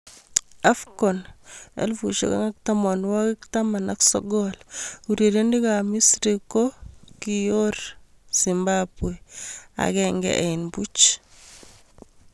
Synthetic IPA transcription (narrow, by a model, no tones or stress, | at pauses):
afkɔnɛ̰lfuʃo̰ka̰ŋak̚tamonwakɪktamanaksɔ̰ɡɔluɾeɾendikamisɾikokijoɾ | simbabwea̰kɛŋɡɛ̰ʔɛɪnbut͡ʃ